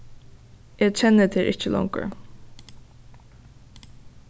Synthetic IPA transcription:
ʔɛːɡt͡ʃɛnːət̪ʰɪɾʔɪt͡ʃəlɔ̰ŋkə̰

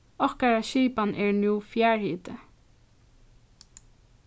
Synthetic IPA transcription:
ɔkəɹɑʃiːpɑnʔeːɹnjuːfjæːɹhiːt̪ə

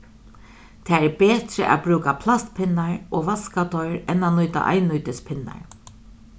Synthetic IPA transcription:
t̪ʰaːɛbeːt̪ɾə̰ʔa̰bɾuːkapʰlast̪pʰɪnaɹoːʋaskat̪ʰɔʏɾɛnanʊjt̪a̰ʔa̰jnʊjt̪ɪspʰɪnːa̰ɹ

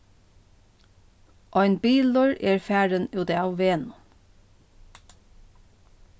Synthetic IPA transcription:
ʔɔjnbiːlʊɹɛːɹfæːɹənʉːt̪awʋeːnʊ

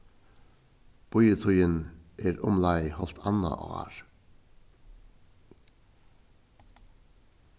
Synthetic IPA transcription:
b̥ɔʏət̪ʰɔʏənʔeːɾɔmlɑɪhɔlt̪ʰɑnɑ̰ʔo̰ːæ̰ːɹ

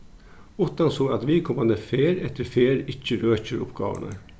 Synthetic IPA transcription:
ʊt̪ːɑnsoːɑt̪ʋɪːkʰʊmɑnd̪əfeːɾɛt̪ːəɾfeːɾɪçəɾøːçəɾʊ̰pɡɑ̰ːʋə̰nə̰

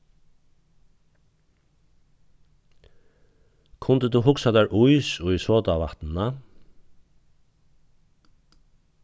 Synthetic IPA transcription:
kʰʊnt̪əd̪uɦʊksad̪æːɹʔʊjsʊjsɔːt̪aʋa̰t̪nna

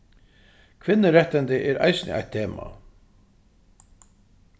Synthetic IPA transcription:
kʰvɪnːəɾɛht̪ɛnt̪ɪʔɛɾa̰jsɪnɪ̰a̰jt̪ʰːeːma̰

